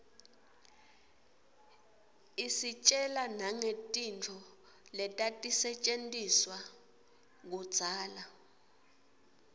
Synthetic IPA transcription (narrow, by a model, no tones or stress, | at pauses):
isit͡ʃʼɛlanaŋetʼint͡fʰɔ | lɛtʼatʼisɛt͡ʃʼentʼiswa | k̬ud̥z̥ʱaːla